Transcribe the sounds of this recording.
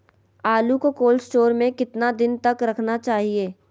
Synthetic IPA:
aːlukokoːlsʈoːɾmẽkɪt̪nad̪ɪnt̪ɐkɾɐkʰnat͡ʃaːɦieː

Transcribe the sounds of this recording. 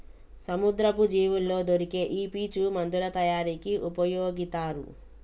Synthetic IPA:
sɐmud̪ɾɐpud͡ʒiːʋulːoːd̪oɾikeːʔiːpiːt͡ʃumɐnd̪ulɐt̪ɐjaːɾiːkiʔupɐjoːɡit̪aːɾṵ

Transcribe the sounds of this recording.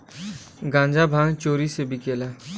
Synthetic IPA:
ɡãːɲd͡ʒabʱãːŋɡt͡ʃoːɾisebʱikeːlaː

